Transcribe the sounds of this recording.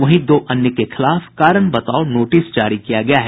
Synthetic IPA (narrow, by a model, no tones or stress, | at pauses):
ʋɐɦĩd̪oːʔɐnjəkexɪlaːfkaːɾəɳ̃bɐt̪aːonoːʈɪsd͡ʒaːɾikijaɡɐjaɦɛ